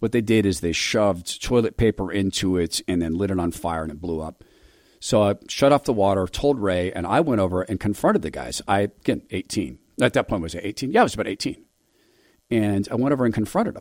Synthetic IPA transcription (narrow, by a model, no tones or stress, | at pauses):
wʌt̪̚ðeɪdɪɾɨzðeɪʃʌvtʰɔɪlˠɨt̚pʰeɪpə˞ʔɪ̃ntʰuɪtɨ̃nðɨ̃nlɪɾɨ̃ɾə̃n̩faɪə˞ɨ̃nɨbluʌp̚ | soʊaɪʃʌɾɔfðəwɔɾə˞tʰoʊlˠd̚ɹeɪɨ̰̃na̰ɪwɛ̃ɾ̃oʊvə˞ʔɨ̃nkʰɨ̃ɱfɹʌ̃nɾɨd̪̚ðɨɡa̰ɪz̥a̰ɪɡ̥ɛneɪtʰḭ̃n | ɨt̪̚ðɨt̚pʰɔ̃ɪnt̚wʌzɨeɪtʰĩnjæɪwʌzəbaʊɾeɪtʰĩn | ɨ̃naɪwɛ̃ɾ̃oʊvə˞ɨ̃nkʰɨ̃ɱfɹʌ̃ɾ̃ɨɾə